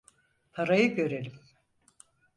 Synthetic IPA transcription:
pʰaɾajɯɟø̞ɾelim

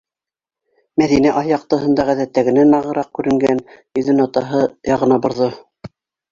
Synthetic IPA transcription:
mæðinæʔɑjɑq̚t̪ɤ̆ɦɤ̆nd̪ɑʁæðæt̪ːæɡɘ̆nænɑʁɤ̆ɾɑq̚kʉɾɘ̆ŋɡænjɵ̆ðɘnɑt̪ɑɦɤjɑʁɤ̆nɑbŏɾðo

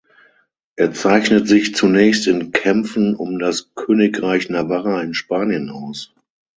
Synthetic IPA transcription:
ʔeːɐt͡saɪçnətz̥ɪçt͡sunɛːçstɪnkʰɛmp͡fn̩ʊmdaskʰøːnɪkʁaɪçnavaʁaɪnʃpaːnjənaʊs

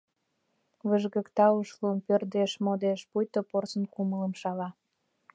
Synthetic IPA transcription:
βəʒɣə̆kt̪ɑuʃlunpørd̪eʃmod̪eʃpujt̪oporsə̆nkumələmʃɑlɑ

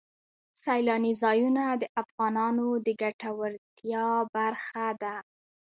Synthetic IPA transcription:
sajlɑnizɑjunad̪əʔafɣɑnɑnod̪əɡaʈawaɾt̪jɑbaɾxad̪a

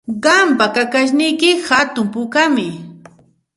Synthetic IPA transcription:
ɢɑmpakakaʃ̬nɪjkɪxat̪ʊmpʊkamɪ

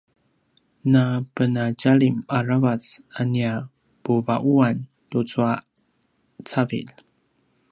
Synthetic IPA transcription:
napənaɟaɭimaravat͡sania | puvaʔuan | tut͡sua | t͡savḭl

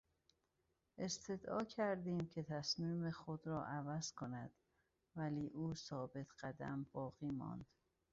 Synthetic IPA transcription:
ʔe̞st̪ʰe̞d̪ɒːcʰæɾd̪iːmcʰe̞t̪ʰæsmiːmexod̪ɾɒːʔævæz̥kʰo̞næd̪̥ | væliːʔuːsɒːbe̞t̪ʰɢ̥æd̪æ̰mb̥ɒːɣiːmɒ̰ːnd̪̥

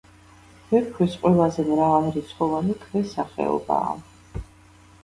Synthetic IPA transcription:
mɛkʰwisqʼwɛlˠazɛmɾavalɾit̪sʰχɔvanikʰvɛsaχɛ̰ɔ̰ba̰ː

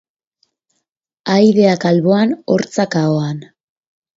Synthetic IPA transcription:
ajðe̞akalβo̞ano̞̰ɾt͡sakaoan

